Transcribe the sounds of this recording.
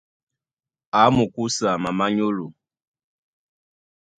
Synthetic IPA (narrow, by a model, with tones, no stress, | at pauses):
a˨˦mu˨ku˦sa˨ma˨ma˦ɲo˦lo˨